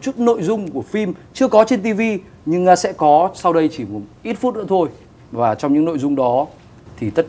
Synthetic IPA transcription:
t͡ɕu˦˥t̚no̰˧˨jzʊ˧ŋ͡mku˧˩əfi˧mt͡ɕɨ˧əkɔ˨˦t͡ɕe˧nt̪i˧vi˧ | ɲɨ˧ŋa˧sɛ̰˧˥kɔ˨˦sa˧wɗə˧jt͡ɕi˧˩mu˨˩ʔi˦˥t̚fu˦˥t̚nɨ̰˧˥ət̪ʰo˧j | vaː˨˩t͡ɕɔ˧wŋ͡mɲɨ̰˧˥ŋno̰˧˨jzʊ˧ŋ͡mɗɔ˨˦ | t̪ʰi˨˩t̪ə˦˥t̚

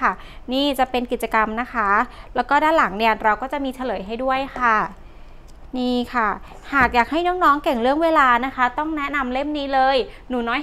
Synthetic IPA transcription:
a˥˩ | niː˥˩t͡ɕa˨˩pe˧nki˨˩t̪̚t͡ɕa˧ka˧mna˦˥kʰa˦˥lɛː˦˥wkɔː˥˩daː˥˩nla˩˦ŋni˥˩əɾa˧wkɔː˥˩t͡ɕa˨˩ʔmiː˧t͡ɕʰa˧lɤː˩˦jɦa˥˩jdu˥˩əjxʰa˥˩ | niː˥˩kʰa˥˩ | haː˨˩k̚jaː˨˩k̚ha˥˩jnɔː˦˥ŋnɔː˦˥ŋke˨˩ŋɾɯ˥˩əŋweː˧laː˧na˦˥kʰa˦˥t̪ɔ˥˩ŋnɛ˦˥na˧mle˥˩mniː˦˥lɤː˧j | nuː˩˦nɔː˦˥j

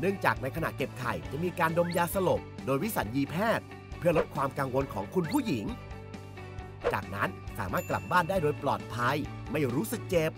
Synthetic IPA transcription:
nɯ˥˩əŋt͡ɕaː˨˩k̚na˧jkʰna̰˨˩ʔ̚ke˨˩p̚kʰa̰˨˩jt͡ɕa̰˨˩miː˧kaː˧ndo˧mjaː˧sa˧lo˨˩k̚doː˧jwi˦˥sa˩˦njiː˧pʰɛː˥˩t̪̚ | pʰɯ˥˩ɐlo˦˥t̪̚kʰwaː˧mkaː˧ŋwo˧nkʰɔː˩˦ŋkʰu˧npʰuː˥˩ji˩˦ŋ | t͡ɕa̰ː˨˩k̚na˦˥nsaː˩˦maː˥˩t̪̚kla̰˨˩p̚baː˥˩ndaː˥˩jdoː˧jplɔ̰ː˨˩t̪̚pʰa˧j | ma˥˩jɾuː˦˥sɯ˨˩k̚t͡ɕeː˧˩p̚

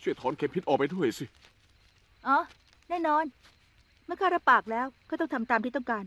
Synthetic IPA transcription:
t͡ɕʰu˥˩əjt̪ʰɔː˨˦nkʰe˦˥mpʰi˦˥t̪ʔɔː˨˩pa˧jdʰu˥˩əjsi˧˩ | ʔɔː˨˧˩ | nɛː˥˩nɔː˧n | mɯ˥əkʰaː˥˩ɾa˦˥paː˨˩k̚lɛː˦˥wkʰaː˥˩ɔ˥˩ŋt̪ʰa˧mt̪aː˧mt̪ʰiː˥˩t̪ɔ˥˩ŋkaː˧n

